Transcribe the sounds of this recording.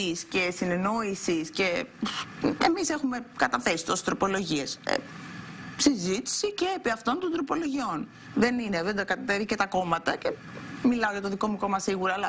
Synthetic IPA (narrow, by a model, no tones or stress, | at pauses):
isce̞sineno̞isisce̞ | emise̞xume̞kɐt̪ɐθe̞si̥t̪osest̪ɾo̞po̞lo̞ʝie̞sḛ | sizit̪i̥siceepiɐft̪o̞nt̪ond̪ɾo̞po̞loʝio̞n | ðe̞nineðed̪ɐkɐt̪ɐt̪evicet̪ɐko̞mɐt̪ɐce̞ | milɐoʝɐt̪o̞ðiko̞muko̞mɐsiɣuɾɐːlɐ